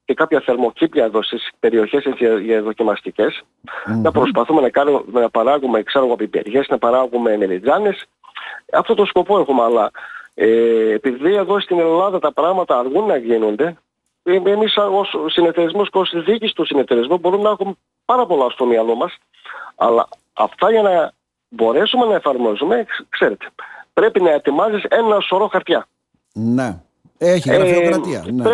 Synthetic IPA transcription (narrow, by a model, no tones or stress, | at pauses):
ce̞kɐpçɐθe̞ɾmo̞cipjɐe̞ðo̞st̪ispe̞ɾio̞çe̞seʝɐðo̞cimɐst̪ice̞s | nɐpɾo̞spɐθume̞nɐkɐnumenɐpɐɾɐɣume̞kseɾoɣopibeɾʝe̞snɐpɐɾɐɣume̞melid͡zɐnes | ɐ̰ft̪o̞t̪o̞sko̞po̞e̞xumeɐlɐeːpiðie̞ðo̞st̪ine̞lɐðɐt̪ɐpɾɐɣmɐt̪ɐːɾɣunːɐʝinund̪e̞ | emisossineft̪eɾizmosceo̞sizðicist̪usinet̪e̞ɾizmubo̞ɾunnɐexume | pɐɾɐpo̞lɐost̪omiɐlomɐs | ɐ̰lɐ̰ | ɐ̰ft̪ɐʝɐnɐ | bo̞ɾe̞sume̞nɐe̞fɐɾmo̞zume̞kse̞ɾe̞t̪e̥pɾe̞pinɐe̞t̪imɐzise̞nɐso̞ɾo̞xɐɾt̪çɐ | ne | eçi